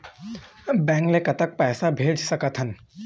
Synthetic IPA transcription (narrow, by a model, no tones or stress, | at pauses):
bɛ̃ːŋɡlekɐt̪ək̚pɛːsabʱeːd͡ʒsɐkət̪ʰən